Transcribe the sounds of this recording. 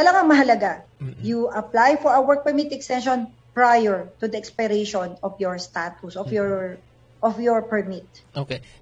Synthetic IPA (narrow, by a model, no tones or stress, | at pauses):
kɐlaŋɐŋmɐɦɐlɐɡajuʔɐplajfɔɹɐwɛɹk̚pɛɹmit̪ɛkst̪ɛ̃nʃɔn | pɹajɛɹt̪ʊd̪ɐɛkspɛɾeʃɔnɔfjɔɹst̪at̪usʔɔfjɔɹ | ʔɔfjɔɹpɛɹmit̪̚oke